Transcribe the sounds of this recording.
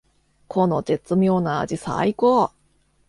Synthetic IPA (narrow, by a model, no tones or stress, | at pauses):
kʰonotet͡sɨmʲo̞ːna̰ːd͡ʑisa̰ikoː